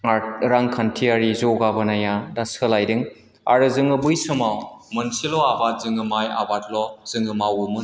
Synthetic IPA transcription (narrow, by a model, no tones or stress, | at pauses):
aɾaŋkʰantʰiaɾizɔɡabanajadasɯlajdɯŋ | a̰ɾɯzɯŋɯbujsɯmawmɯnsilɔabat̚zɯŋɯmaja̰bat̚lɔz̥ɯŋɯmawumɯ